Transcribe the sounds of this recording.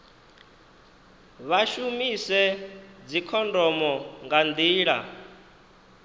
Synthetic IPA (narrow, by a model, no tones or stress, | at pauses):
βaʃumisɛd͡zikʰɔndɔmɔŋɡand̪iːɺa̰